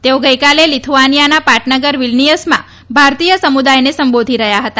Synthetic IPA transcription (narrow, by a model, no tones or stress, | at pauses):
t̪eoɡəjkalelit̪ʰuʋanijanapaʈnəɡəɾʋilnijəsmã̰ | bʱaɾt̪ijəsəmud̪ajnesəmbod̪ʱiɾəɦjaɦət̪a